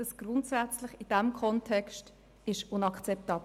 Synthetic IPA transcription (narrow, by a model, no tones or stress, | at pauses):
əsɡ̥rʊntsæt͡slɪχɪd̥æmkʰɔntʰɛkst | ɪʃʊnɑkt͡sɛp̚tɑːb